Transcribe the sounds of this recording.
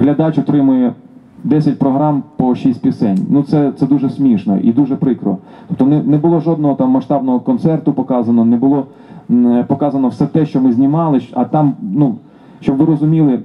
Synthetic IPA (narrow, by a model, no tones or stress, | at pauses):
ɦlʲɐd̪ɑt͡ʃɔt̪ɾɪmʊjɛ | d̪ɛsʲɐtʲpɾɔɦɾɑmpɔʃisʲtʲpʲisɛnʲnut̪sɛt̪sɛd̪uʒɛsʲmʲiʃnɔ̰ʔḭd̪uʒɛpɾɪkɾɔ̰ | t̪ɔ̥p̚t̪ɔnɛnɛbʊlˠɔʒɔd̪̚nɔɦɔt̪ɑmːɐʂt̪ɑb̚nɔɦɔkɔnt̪sɛrt̪ʊpɔkɑzɐnɔnɛbʊlˠɔ | pɔkɑzɐnɔwsɛt̪ɛʃt͡ʃɔmɪzʲnʲimɑlˠɪɐt̪ɑmnu | ʃt͡ʃɔbʋɪɾɔzʊmʲilˠɪ